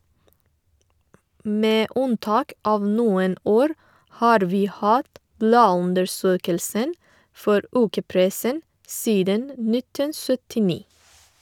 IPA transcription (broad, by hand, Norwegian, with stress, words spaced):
ˈmeː ˈʉnˌtɑːk ˈʔɑːʋ ˈnuːən ˈoːɾ ˈhɑːɾ ˈʋiː ˈhɑːt ˈblɑːˌʉndəɾˌsøːkəlsən ˈfɔɾ ˈʉːkəˌpɾɛsən ˈsiːdən ə ˈnɪtən ˌsœtɪˈniː